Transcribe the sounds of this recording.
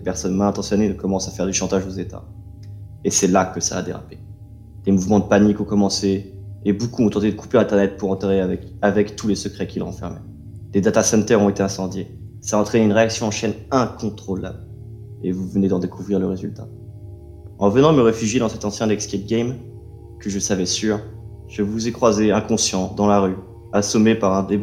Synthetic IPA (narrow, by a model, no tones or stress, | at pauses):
depɛʁsɔnmãɛ̃t̪ɑ̃sjɔnekɔmɑ̃safɛʁd̪yʃɑ̃t̪aʒozet̪a̰ | esɛlakəsa̰ːd̪eʁa̰pe̥ | d̪̥emuvmɑ̃d̪əpanikɔ̃kɔmɑ̃seːbokuɔ̃t̪ɑ̃t̪ed̪əkʰu̥peɛ̃t̪ɛʁnɛt̪̚puʁɑ̃t̪eʁeavɛkavɛkt̪ulesəkχɛkʲilʁɑ̰̃fɛ̰ʁmɛ̰ | d̪̥ed̪at̪asɛ̃nt̪ɛʁɔ̃et̪eɛ̃sɑ̃d̪je | saɑ̃t̪χɛneynʁeaksjɔ̃ɑ̃ʃɛnɛ̃kɔ̃t̪χɔla̰bl | ḛvuvəned̪ɑ̃d̪ekʰuvʁiʁləʁezylt̪a | ɑ̃vənɑ̃məʁefyʒjed̪ɑ̃sɛt̪ɑ̃sjɛ̃d̪ɛkskɛt̪̚ɡʲɛm | kəʒəsavɛsyʁ | ʒ̥əvuzɛkχwazeɛ̃kɔ̃sjɑ̃d̪ɑ̃laʁy | asɔmepaʁɛ̃d̪e